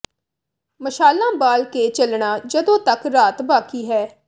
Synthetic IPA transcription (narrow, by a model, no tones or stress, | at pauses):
məʃaːlãːbaːlkeːt͡ʃəlɳaːd͡ʒəd̪õːt̪əkɾaːt̪baːkiːɦɛː